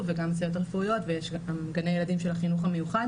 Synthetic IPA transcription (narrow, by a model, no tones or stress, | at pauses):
veɡamsajot̪alfuujo̞tvejeʃamɡanejelad̪imʃelaχinuχame̞juχad